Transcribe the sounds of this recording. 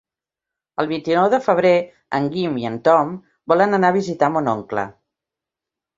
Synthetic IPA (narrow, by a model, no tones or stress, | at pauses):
əlˠβ̞int̪inɔwðəfəβ̞ɾe | ə̰ŋɡimiənt̪ɔm | bɔlənənaβizit̪amonɔŋklə̰